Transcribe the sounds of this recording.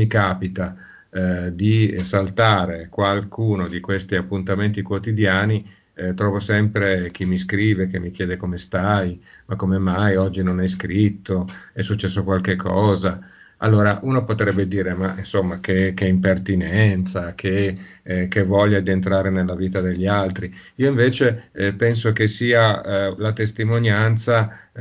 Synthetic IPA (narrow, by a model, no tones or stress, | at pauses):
mikaːpit̪a | d̪isalt̪aːɾekwalkʰuːnod̪ikwest̪iapːunt̪ament̪ikwot̪id̪jaːni | t̪ɾɔːvosɛmpɾek̟imːiskɾiːvekemːik̟jɛːd̪ekomest̪aj | makːomemːajɔd͡ʒːinonɛjskɾit̪ʰːoɛsːut͡ʃːɛsːokwalkekʰːɔːza | a̰lːoːɾaʔuːnopot̪ɾɛbːed̪iːɾemainsomːakekɛimpert̪inɛnt̪sakʰe | kːevɔʎːad̪ient̪ɾaːɾenelːaviːt̪ad̪eʎːialt̪ɾiiːoiɱveːt͡ʃepɛns̬okesiːalat̪est̪imonjant̪sa